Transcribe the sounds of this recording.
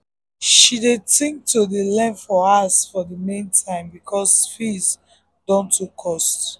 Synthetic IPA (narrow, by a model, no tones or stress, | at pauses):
ʃidetĩŋk̚todelɛ̃nfɔasfɔdəmẽntʰãɪ̃mbikʰɔsfis | dɔ̃ntʰukʰːɔst